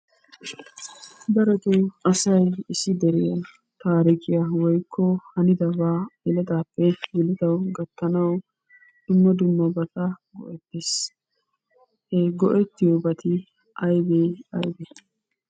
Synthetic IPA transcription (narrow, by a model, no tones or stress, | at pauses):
d̪ɐɾɛt̪ʊwʔɐsɐjɪsːɪd̪ɛɾɪja | t̪aːɾɪkʼɪjawɔjkʰːɔhɐnɪd̪ɐbaːɛlɐd̪aːpːɛɡɪlɪd̪ɐwɡɐt̪ːɐnɐw | d̪̥ʊmːɐd̪ʊmːɐbɐt̪ɐɡɔ̰ʔɛt̪ːeːs | hɛɡɔʔɛt̪ːɪjobɐt̪ɪ | ʔɐjbeːɐjbeː